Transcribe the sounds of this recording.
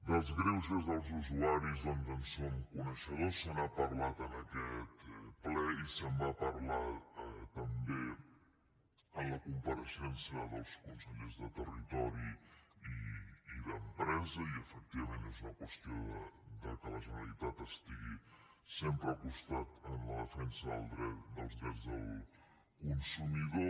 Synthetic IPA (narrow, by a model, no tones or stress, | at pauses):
d̪əlˠzɣɾɛwzəzðəlˠzuzuaɾizðɔnt̪ənsomkunəʃəðosːənapərlat̪ənəkɛt̪plɛisəmbapərlaət̪əmbe | ənləkumpəɾəʃɛnsiəðəlˠskunsəʎezðət̪ərit̪ɔɾiiːðəmpɾɛzəiəfək̚t̪iβəmeneznəkwəst̪ioðəd̪əkələʒənəlit̪at̪əst̪iɣi | sempɾəːkust̪at̪ənləðəfɛnsəðə̰lˠd̪ɾɛt̪d̪ə̰lˠzðɾɛd͡zðəlˠ | kunsumiðo